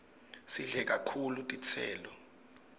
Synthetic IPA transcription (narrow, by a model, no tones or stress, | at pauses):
siɮɛk̬ʼakʰulutʼit͡sʰɛ̰ːlɔ